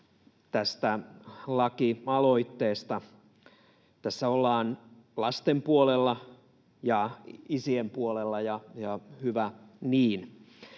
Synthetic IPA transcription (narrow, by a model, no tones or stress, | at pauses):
t̪æst̪ælɑkiɑloit̪ːeːst̪ɑ | t̪æsːæolːɑːnlɑst̪empuolelːɑ | jɑisiempuolelːɑjɑjɑhyʋæniːn